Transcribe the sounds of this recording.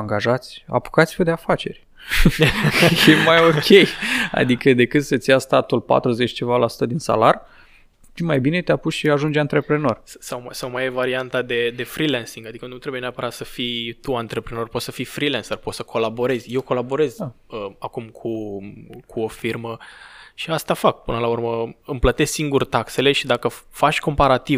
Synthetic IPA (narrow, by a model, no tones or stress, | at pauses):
aŋɡaʒat̪sʲa̰pu̥kat̪sifed̪eafat͡ʃe̞rʲ | jemajo̞kʲe̞ja̰d̪ikəd̪e̞kɨt̪sət̪sijast̪at̪ulpa̰t̪ɾuze̞t͡ʃʲt͡ʃe̞valasu̥t̪əd̪insa̰lar | t̪imajbine̞t̪eapusʃiaʒund͡ʒant̪ɾe̞pɾe̞no̞rssawmsawmajevaɾiant̪ad̪e̞d̪e̞fɾilensiŋɡad̪ikənnut̪ɾebujeneapəɾat̪səfijt̪uant̪ɾe̞pɾeno̞rpo̞t̪səfifɾilensərpot̪səkʰo̞labo̞ɾe̞zʲje̞wko̞labo̞ɾe̞z | əakumkʰu | kʰuo̞firməʃiast̪afak̚pɨnəlaurməɨmplət̪e̞sʲsiŋɡurt̪akse̞le̞ʃid̪akəfat͡ʃko̞mpaɾat̪iv